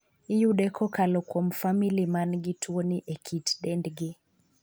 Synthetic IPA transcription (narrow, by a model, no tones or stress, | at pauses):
ijuɗɛkʰɔkalɔkɔm̩familimanɡitʰwɔniʔɛkʰitɗɛndɡi